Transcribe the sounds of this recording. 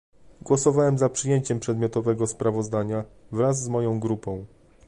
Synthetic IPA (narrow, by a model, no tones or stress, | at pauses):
ɡwɔsɔvawɛmzapʂɘjeɲt͡ɕɛmpʂɛd̪mʲjɔt̪ɔvɛɡɔspɾavɔzd̪aɲavɾazːmɔjɔ̃w̃ɡɾupɔ̃w̃